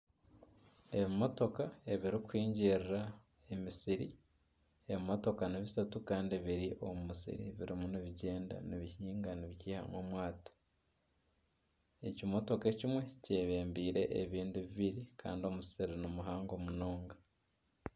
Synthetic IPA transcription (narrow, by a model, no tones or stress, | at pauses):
e̞βimo̞to̞kae̞βiɾikwiːɲɟeɾɾa | e̞misiɾḭ | e̞βimo̞to̞kaniβisatukaːndiβiɾiʔo̞mumusḭɾḭβḭɾimuniβiɟe̞ːnda̰niβihiːŋɡaniβiciːha̰mwo̰mwaːtḁ | e̞cimo̞to̞kecimwe̞ce̞ːβe̞ːmbiːɾe̞̰ʔeβiːndiβiβiɾikʰa̰ːndio̞musiɾinomuɦaːŋɡo̞muno̞ːŋɡa